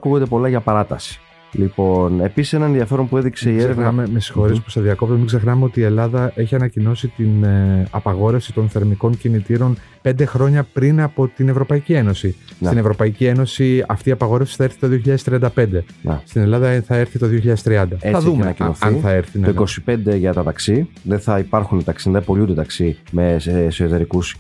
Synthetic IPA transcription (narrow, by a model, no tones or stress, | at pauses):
ɐkuɣod̪epo̞lɐʝɐpɐɾɐt̪ɐsi̥ | lipo̞ne̞pisi̥senɐnenðiɐfe̞ɾo̞npue̞ðikse̞ieɾevnmemesi̥xo̞ɾespu̥st̪ɐðiɐko̞p̚t̪mmiɡze̞xnɐmeo̞t̪iːe̞lɐðɐʔe̞çiɐnɐcino̞sit̪inɐpɐɣo̞ɾe̞fsi̥t̪o̞nθeɾmiko̞ɲcinit̪iɾo̞n | pe̞nd̪e̞xɾo̞ɲɐpɾinɐpo̞t̪ine̞vɾo̞pɐicie̞no̞sisine̞vɾo̞pɐicie̞no̞siɐft̪iːɐpɐɣo̞ɾefsi̥θɐeɾθi̥t̪o̞ðio̞çiʎɐðest̪ɾiɐnd̪ɐpe̞nd̪e̞̰st̪ine̞lɐðɐθɐe̞ɾθit̪o̞ðioçiʎɐðest̪ɾiɐnd̪ɐɐðumenɐinoθɐinθɐeɾθinoiko̞si̥pe̞nd̪e̞ʝɐt̪ɐt̪ɐksiðeθɐipɐɾxunt̪ɐksinɐpolud̪et̪ɐksime̞ssoot̪e̞ɾikus